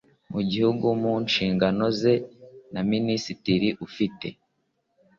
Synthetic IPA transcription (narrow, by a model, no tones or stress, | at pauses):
muɟihuɡumuːnʃiːŋɡano̞ze̞naminisitiɾiʔufite̞̰